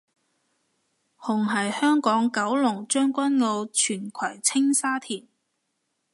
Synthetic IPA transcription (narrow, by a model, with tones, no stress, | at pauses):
hʊ˨˩ŋɦɐ˨jhœː˥ŋkɔː˨˥ŋkɐ˨˥wlʊ˨˩ŋt͡ʃœː˥ŋkʷɐ˥nŋo˧wt͡ʃʰyː˨˩nkʰɐ˨˩jt͡sʰɪ˥ŋsaː˥t̪ʰiː˨˩n